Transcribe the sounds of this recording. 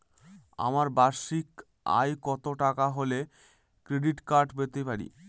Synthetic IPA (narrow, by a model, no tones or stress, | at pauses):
a̰maɾbaɾʃik | a̰jkɔt̪oʈakaɦole | kɾeɖiʈkaɾɖbet̪ejpaɾḭ